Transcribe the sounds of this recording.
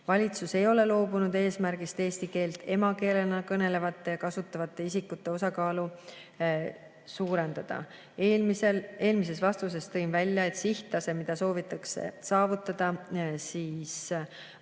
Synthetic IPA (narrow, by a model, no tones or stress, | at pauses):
vɑlʲit̪suse̞jo̞le̞lo̞ːbunud̪̥e̞ːsmærɡ̥ist̪e̞ːst̪ike̞ːlt̪e̞mɑke̞ːlenɑkɤne̞le̞vɑt̪ːˑe̞jɑkɑsut̪ˑːɑvɑt̪ːˑe̞isikːut̪ːe̞o̞sɑkɑːlu | suːɾe̞nd̪̥ɑd̪̥ɑ̰ | misele̞ːlmis̬e̞svɑst̪us̬e̞st̪ɤjnvælʲjɑe̞t̪ˑsiht̪lɑse̞mid̪̥ɑso̞ːvit̪ːˑɑksḛsɑːvut̪ːˑɑd̪̥ɑsiːs